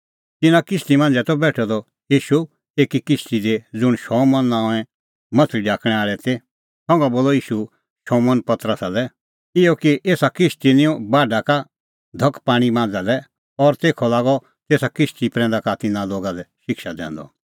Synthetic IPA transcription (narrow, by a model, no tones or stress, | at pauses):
t̪ɪnãkɪst̪imãːnd͡zɛt̪ɔbɛːʈʰɔd̪ɔ | iːʃu | eːkikɪst̪id̪ed͡zʊɽ̃ʃɔmɐ̃nːãːɛ̃ | mɐt̪ʰliɖaːkʰɽ̃ɛaːɭɛt̪e | sɔ̃ŋɡaboːlɔiːʃu | ʃɔmənpɐt̪ɾəsalɛ | ɪɔkiʔeːsakɪst̪inɪ̃ɔ̃baːɖaka | d̪ʱɐkpaːɽ̃ibãːnd͡zalɛ | ɔɾt̪eːkʰɔlaːɡɔ | t̪eːsakɪst̪ipɾɛ̃ːnd̪akat̪ɪnaloːɡalɛʃɪkʃad̪ɛ̰̃ːnd̪ɔ̰